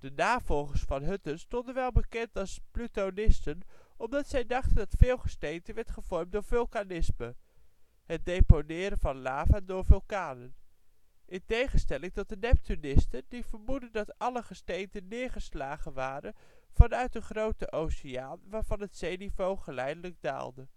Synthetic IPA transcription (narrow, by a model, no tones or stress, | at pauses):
d̥ənaːv̥ɔlˠχəɹsfɑnɦɵtənstɔndənʋɛlˠbəkɛntɑlˠsplytonɪstənɔmdɑtsɛjdɑχtəndɑtfɪːlˠχəstejntənʋɛɹtχəv̥ɔɹmt̚dʊːɹvɵlˠkanɪsmə | ɦət̚dejponɪːɾənvɑnlaːvəndʊːɹvɵlˠkaːnən | ʔɪntejχənstɛlɪŋtɔt̚dənɛp̚tynɪstəndivəɹmudəndɑtɑləχəstejntənːɪːɹχəslaːχənʋaːɾən | v̥ɑnœɥt̚dəχrowtəʔowsiaːnʋaːɹv̥ɑnɦətsejnivowχəlɛjdələɡ̚da̰ːlˠdə